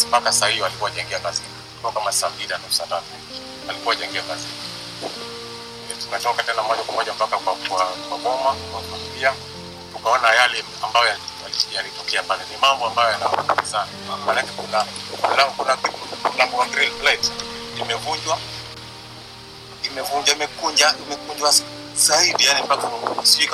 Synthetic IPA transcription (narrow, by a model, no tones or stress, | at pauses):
mpakasahiialikuwaʄaŋɡiakazi | utɔkamasambiɾanausadatu | alikuwaʄaŋɡiakazi | ɛtuŋkatɔkatɛnamɔʄakwamɔʄampakakwakwakwaɡɔmakwakwambia | tukaɔnajalɛ | ambajɔjalijalitɔkɛapalɛnimambɔambajɔjanafṵṵnisanamanakɛkunalaŋkunapipullaŋɡuaɡɾilflajtimɛvuɲd͡ʒwa | imɛvuɲd͡ʒwaimɛkuɲd͡ʒaimɛkuɲd͡ʒwa | zaiɗijanimpakaunausika